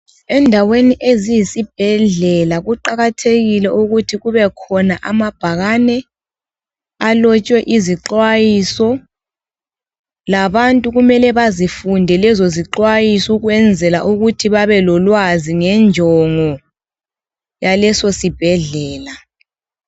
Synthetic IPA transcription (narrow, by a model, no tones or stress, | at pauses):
ɛndʱaweniʔezijisib̥ʱɛɮɛlaɣuǃaɣatʰeɣilɛʔuɣutʰiɣuβɛkʰɔnaʔamab̥ʱaɣanɛ | alɔt͡ʃʼwɛʔiziǃwajisɔ | laβantʼuɣumɛlɛβazifundʱɛlɛzoziǃwajisuɣwɛnd͡zʱɛlaʔuɣutʰiβaβɛlɔlwaziŋɛnd͡ʒʱɔŋɔ | jalɛsosib̥ʱɛɮɛːla